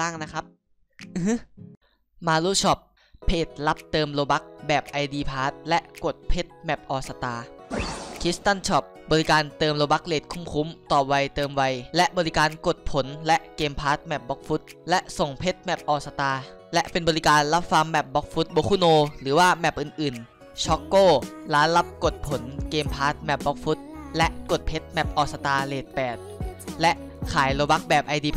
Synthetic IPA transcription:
aː˥˩ŋna˦˥kʰa˦˥p̚ | ʔɯ˧˩hɯ˥ | maː˧luː˦˥˩t͡ɕʰɔ˦˥˩p̚ | pʰːeː˨˩t̪̚la˦˥p̚t̪ɤː˧mloː˧ba˦˥k̚bɛː˨˩p̚ʔa˧jdiː˧pʰaː˦˥t̪̚lɛ˦˥ʔko˨˩t̪̚pʰe˦˥t̪̚mɛ˨˩p̚ʔɔː˨˩sa˧t̪aː˧ | kʰi˦˥st̪a˥˩nt͡ɕʰɔ˦˩p̚bɔː˧li˦˥kaː˧nt̪ɤː˧mloː˧ba˦˥k̚leː˨˩t̪̚kʰu˧˥˩mkʰu˧˦˥mt̪ɔː˨˩wa˧jt̪ɤː˧mwa˧jlɛ˦˥ʔbɔː˧li˦kaː˧nko˨˩t̪̚pʰo˩˦nlɛ˦˥ʔkeː˧mpʰaː˦˥t̪̚mɛ˨˩p̚bɔ˦˥k̚fu˦˥t̪̚lɛ˦˥ʔso˨˩ŋpʰe˦˥t̪̚mɛ˨˩p̚ʔɔː˨˩sa˧t̪aː˧ | lɛ˦˥ʔpe˧nbɔː˧ɾi˦kaː˧nla˦˥p̚fa˧mːɛ˨˩p̚bɔ˦˥k̚fʰu˦˥t̪̚boː˧˦kʰu˧˥˩noː˧ɾɯː˩˦waː˥˩mɛ˨˩p̚ʔɯː˨˩nʔɯː˨˩n | t͡ɕʰɔ˦˥kːoː˥˩laː˨˦nla˦˥p̚ko˨˩t̪̚pʰo˩˦nkeː˧mpʰaː˦˥t̪̚mɛ˨˩p̚bɔ˦˥k̚fu˦˥t̪̚lɛ˦˥ʔko˨˩t̪̚pʰe˦˥t̪̚mɛ˨˩p̚ʔɔː˨˩sa˧t̪aː˧leː˨˩t̪̚pɛː˨˩t̪̚lɛ˦˥ʔ | kʰaː˩˦jloː˧ba˦˥k̚bɛː˨˩p̚ʔa˧jdiː˧

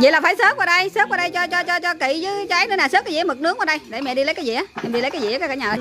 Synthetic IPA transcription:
zḭ˧˨laː˨˩faː˧˦jsəː˦˥p̚kəː˧˩ɗə˧jsəː˦˥p̚kaː˧˩ɗə˧jt͡ɕɔ˧t͡ɕɔ˧t͡ɕɔ˧t͡ɕɔ˧ki˧˨zɨ˨˦t͡ɕaː˨˦jnɨ˧˦naː˨˩sə˦˥t̚kaː˨˦zi˨˦mɨ˨˩t̚nɨ˨˦ək̚wːɗə˧jɗe˧˩mɛ̰˧˨ɗi˧lə˨˦jkaː˨˦jzḭ˨ʔaː˨˦ɛ̰˧˩mɗi˧lə˨˦kaː˨˦jḭ˨˦kːaː˨˦kːaː˧˦ɲaː˨˩ə˨˩j

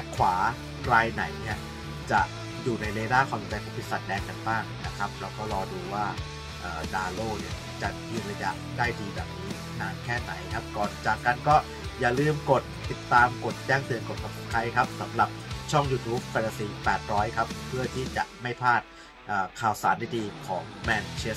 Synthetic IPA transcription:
ɛ˦˥kʰwaː˩˦ | kɾaː˧jna˩˦jni˦˥˩ɐ | t͡ɕa˨˩ | juː˨˩na˧jɾeː˧daː˥˩kʰwaː˧mi˧˩t͡ɕa˧jkʰɔ˨˦˩pi˦˥sa˨˩dɛː˧ŋka˧nbaː˥˩ŋna˦˥kʰa˦˥p̚lɛː˦˥wkɔː˥˩ɾɔː˧duː˧waː˥˩ | ʔəː˨˩daː˧loː˥˩nḭ˥˩ | t͡ɕa˨˩ʔjɯ˧la˧ja̰˦˥ʔ | daː˥˩jdiː˧bɛː˨˩p̚niː˦˥ | naː˧nkʰɛː˥˩na̰˩˦jkʰa˦˥p̚kɔː˨˩nt͡ɕaː˨˩kːa˧nkɔː˥˩ | jaː˨˩lɯː˥˩mko˨˩t̪ːi˨˩t̪ːaː˧mko˨˩t̪̚t͡ɕɛː˥˩ŋt̪ɯ˧ənko˨˩t̪̚sɔ˨˧˩p̚skʰa˦˥jkʰa˦˥p̚sa˨˩˦mɾa˨˩p̚t͡ɕʰɔ˥˩ŋjuː˧t̪ʰuː˦˥p̚fɛː˧na˧siː˨˧˥pɛː˨˩t̪̚ɾɔː˦˥jkʰa˦˥ppʰːɯ˥˩ɐt̪ʰiː˥˩t͡ɕa̰˨˩ʔma˥˩jpʰaː˥˩t̪̚ | ʔɤː˨˩kʰaː˨˩wsaː˩˦ndaː˥˩jdiː˧kʰɔː˩˦ŋmɛː˧nt͡ɕʰe˦˥s

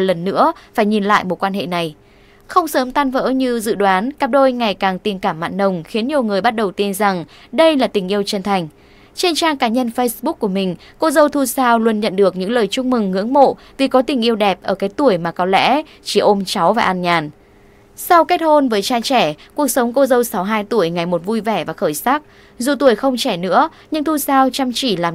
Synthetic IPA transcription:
t̚lə˨˩nːɨ̰˧˥əfaː˧˩jɲi˨˩nla̰ː˧˨jmo˨˩t̚kwaː˧nɦḛ˧˨na˨˩j | xə˧wŋ͡msəː˨˦mt̪aː˧nvə̰ː˧˥ɲɨ˧zɨ̰˧˨ɗwaː˨˦nkaː˨˩p̚ɗo˧jŋa˨˩jkaː˨˩ŋt̪i˨˩mkaː˧˩mːa̰ː˧˨nːə˧˩wŋ͡mxi˨˦ənɲi˨˩əwŋɨ˨˩əjɓa˦˥t̚ɗə˨˩wt̪i˧nza˨˩ŋ | ɗə˧jlaː˨˩t̪ï˨˩ŋ̟ʔi˧əwt͡ɕə˧nt̪ʰa˨˩jŋ̟ | t͡ɕe˧nt͡ɕaː˧ŋkaː˨˦ɲə˧nfə˧jsɓʊ˦˥k̚ku˧˩əmï˨˩ŋ̟ | ko˧zə˧wt̪ʰu˧saː˧wlwu˧ənɲə̰˧˨nɗɨ˨˩ək̚ɲɨ̰˧˥ŋləː˨˩jt͡ɕʊ˧ŋ͡m̚mɨ˨˩ŋːɨ̰˧˥əŋmo̰˧˨ | vi˨˩kɔ˨˦t̪ï˨˩ŋ̟ʔi˧əwɗɛ˨˩p̚ʔəː˧˩kaː˨˦jt̪u˧˩əjmaː˨˩kɔ˨˦lɛ̰˧˥ | t͡ɕi˧˩ʔo˧mt͡ɕa˨˦wvaː˨˩ʔa˧nɲaː˨˩n | sa˧wkɛ˦˥t̚ho˧nvəː˨˦jt͡ɕaː˧t͡ɕɛ˧˩ku˨˩ək̚sə˨˦wŋ͡mko˧zə˧wsa˨˦wɦaː˧jt̪u˧˩əjŋa˨˩jmo˨˩t̚vu˧jvɛ˧˩vaː˨˩xəː˧˩jsa˦˥k̚ | zu˨˩t̪u˧˩əjxə˧wŋ͡mt͡ɕɛ˧˩nɨ̰˧˥ə | ɲɨ̰˧˥ŋt̪ʰu˧saː˧wt͡ɕa˧mt͡ɕi˧˩laː˨˩

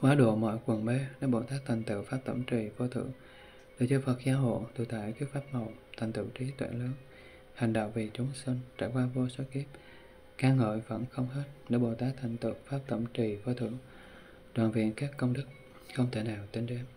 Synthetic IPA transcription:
kwaː˨˦˥ɗo˧˩˨mɔ̰˧˨jkwə˨˩nɓe˧˦nə̰˧˩˥ɓo˧˩t̪aː˦˥k̚t̪ʰŋ̟t̪ɨ̰˧˨faː˦˥p̚t̪ə̰˧˩mt͡ɕi˨˩vo˧t̪ʰɨ̰˧˨ | ɗɨ̰˨˧˩t͡ɕɨ˧˩fə˨˩k̚zaː˧ɦo̰˧˨jt̪ɨ˨˩t̪a̰ː˧˩jki˦˥k̚faː˦˥p̚mə˨˩wt̪ʰa˨˩ŋ̟t̪ɨ̰˧˩˨t͡ɕi˨˦t̪ʰwḛ˧˨ləː˨˦n | ha˨˩jŋ̟ɗə̰˧˨wŋ͡mvi˨˩t͡ɕʊ˨˦ŋ͡msi˧nt͡ɕa̰ː˧˩jkwaː˧vo˧swə˦˥ki˦˥əp̚ | kaː˧ŋə̰ː˧˨jvə̰˧˩nxə˧wŋ͡mhe˦˥t̚ɗə̰˧˩ɓo˨˩t̪aː˦˥k̚t̪ʰa˨˩jŋ̟t̪ɨ̰˧˨faː˦˥p̚t̪ə̰˧˩mt͡ɕi˨˩vo˧t̪ʰɨ̰˧˨ | ɗwaː˧˨nvḭ˧˨ənkaː˦˥kːə˧wŋ͡mɗɨ˦˥k̚ | xə˧wŋ͡mt̪ʰe˧˩naː˨˩wt̪e˧nɗe˧m

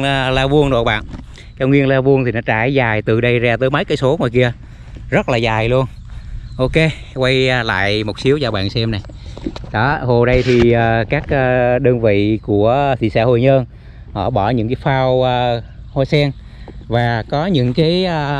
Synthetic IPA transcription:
laː˧vu˧əŋɗo̰˨˧˨ɓa̰ː˧˨n | kaː˧wŋi˧ənlaː˧vu˧ənt̪ʰi˨˩nɔ˨˦t͡ɕaː˧˩jzaː˨˩jt̪ɨ˧˨˩ɗə˧jzaː˧˩t̪əː˨˦jmə˨˦jkaː˨˦jso˨˦ŋɔ˨˩jki˧ə | zə˦˥t̚laː˨˩zaː˨˩jlu˧ən | ʔo˧ke˧ | kwa˧jla̰ː˧˨jmo˨˩t̚si˨˦əwzaː˧˩ɓa̰ː˧˨nsɛ˧mna˨˩j | ɗɔ˨˦ho˨˩ɗə˧jt̪ʰi˨˩ʔaː˨˩kaː˦˥k̚ʔːɗəː˧nvḭ˧˨ku˧˩ət̪ʰḭ˨˩sa̰ː˧ho˨˩jɲəː˧n | hɔ̰˧˩˨ɓɔ˧˩ɲɨ̰˧˥ŋkaː˨˦jfaː˧wː | ho˧jsɛ˧ŋ | vaː˨˩kɔ˨˦ɲɨ̰˧˥ŋkaː˨˦jː

